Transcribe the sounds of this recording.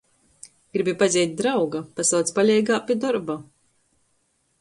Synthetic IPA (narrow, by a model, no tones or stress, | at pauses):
ɡ̥ɾibipazʲɛjt̪̚ʲd̪ɾawɡapasawt̪spalʲɛjɡaːpʲid̪ɔɾba